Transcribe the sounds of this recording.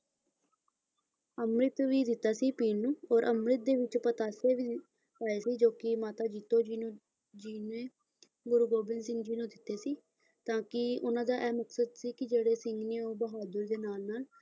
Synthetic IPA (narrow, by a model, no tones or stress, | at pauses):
əmɾɪt̪ʋiːd̪ɪt̪ːaːsiːpiːnnũːɔːɾʔəmɾɪt̪̚d̪eːʋɪt͡ʃpət̪aːseːʋiː | aːeːsiːd͡ʒoːkɪmaːt̪aːd͡ʒiːt̪oːiː | d͡ʒiːneː | ɡʊɾuːɡoːbɪnsɪnd͡ʒiːnũːd̪ɪt̪ːeːsiː | t̪ãːkɪʊnãːd̪aːʔɛːməksəd̪siːkɪd͡ʒeːɽeːsɪŋɡneːoːbəɦaːd̪ʊɾd̪eːnaːlnaːl